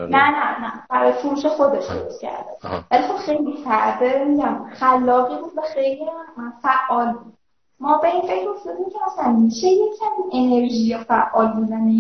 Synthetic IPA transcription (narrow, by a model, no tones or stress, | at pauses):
nænænæb̥æɾɒːjefuɾuːʃexo̞d̪eʃd̪o̰ɾost̪cʰæ̰ɾd̪evælixo̞b̥xe̞jlifæʔd̪ebemiɟæmxælːɒːɣiːbuːd̪væxejliæfæʔːɒːlbud̪̥ | mɒːbe̞iːnfe̞cʰɾefd̪od̪iːmcʰeæsænmiʃejecʰæmiːʔe̞ne̞ɾʒiːjefæʔːɒːlbuːd̪æne